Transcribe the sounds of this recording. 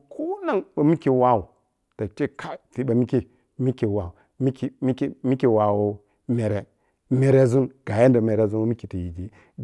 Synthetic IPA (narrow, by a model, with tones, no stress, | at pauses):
kʰo˦na˦ŋɓa˨mi˦ki˨wa˦wu˨ | ta˨t͡ʃe˦kʰa˦ti˨ɓa˨mi˦ki˦ | mi˦ki˨wa˨u˨ | mi˦ki˦˨mi˦ki˦mi˦ki˨wa˨wo˦ | me˨ɾe˨ | me˨ɾe˦˨zu˦nɡ̥a˨je˦nda˨me˨ɾe˨˦˨zu˦nwmi˦ki˨ti˨ji˨d͡ʒi˦